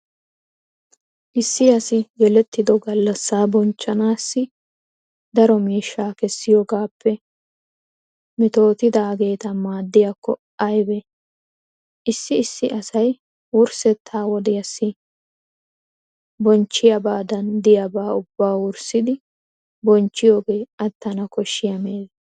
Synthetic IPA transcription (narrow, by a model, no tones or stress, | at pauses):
ʔɪsːɪɐsɪɡɛlɛt̪ːɪd̪ɔɡɐlːɐsːaːbɔnt͡ʃːɐnaːsːɪ | d̪ɐɾɔmiːʃːaːkɛsːɪjoːɡaːpʰːɛ | mɪt̪o̞ːt̪ɪd̪aɡe̞ːt̪ɐmaːd̪ːɪjɐkːɔ̰ | ɐjbɛ | ʔɪsːɪːsːɪʔɐsɐj | wʊɾsɛt̪ʰːaːwɔd̪ɪjɐsːɪ | bɔnt͡ʃːɪjɐbaːd̪ɐnd̪ɪjɐbaːʊbːaːwʊɾsɪd̪ɪ | bɔnt͡ʃːɪjo̞ːɡeːɐt̪ːɐnɐkɔʃːɪjɐmeːl